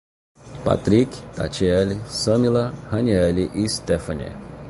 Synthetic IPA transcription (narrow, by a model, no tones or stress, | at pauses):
pa̰t̪ɾikt̪a̰t͡ʃiɛlisɐ̃milɐhɐ̃niɛliʔist̪efɐ̃nɛ̰